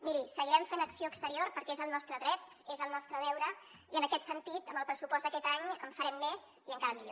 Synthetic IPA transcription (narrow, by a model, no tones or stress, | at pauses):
miɾisəɣiɾɛmfenəksioəkst̪əɾiorpəɾkɛezəlˠnɔst̪ɾəðɾɛt̪ | ezəlˠnɔst̪ɾəðɛwɾə | iənəkɛt̪sənt̪it̪əmbəlˠpɾəsupɔzt̪d̪əkɛt̪aɲəɱfəɾɛmːez̥ | iəŋkaɾəmiʎo̰